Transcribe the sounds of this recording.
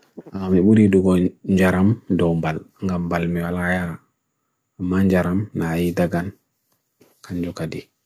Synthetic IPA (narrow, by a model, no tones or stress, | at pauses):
amamiɓuɾiduɡɔɲd͡ʒaɾamdɔmbalŋɡambalmiwalajaɾa | amːaɲd͡ʒaɾamnajidaɡan | kand͡ʒukadi